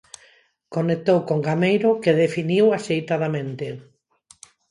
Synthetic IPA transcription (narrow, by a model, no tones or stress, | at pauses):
konek̚t̪owkoŋɡamejɾʊkeðefiniwaʃejt̪aðamẽnt̪ɪ